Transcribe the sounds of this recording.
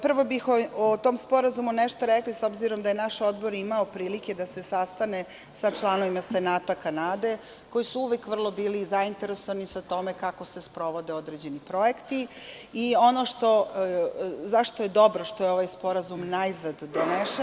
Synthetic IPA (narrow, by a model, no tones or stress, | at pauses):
pr̩ʋo̞bixoot̪o̞mspo̞ɾazumuneʃt̪oɾekliso̞bziɾo̞md̪ajenaʃo̞d̪bo̞ɾimaopɾiːlike̞d̪ase̞sast̪ane̞ | sat͡ʃlˠano̞ʋimase̞naːt̪okanaːd̪e̞ | ko̞jisuuʋekʋr̩lˠo̞biːlizaint̪e̞ɾesoʋanisat̪o̞me̞kako̞se̞spɾo̞ʋo̞d̪eo̞d̪ɾed͡ʑe̞nipɾo̞jekt̪i | io̞no̞ʃt̪o̞ | zaʃt̪oje̞d̪o̞bɾoʃt̪ojeo̞ʋajspo̞ɾazumnajzad̪ːoneʃ